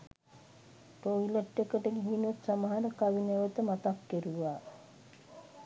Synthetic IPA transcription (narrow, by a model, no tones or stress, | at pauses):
ʈoileʈːekəʈəɡiɦinut̪saməɦaɾəkaʋineʋət̪əmat̪akːeɾuʋaː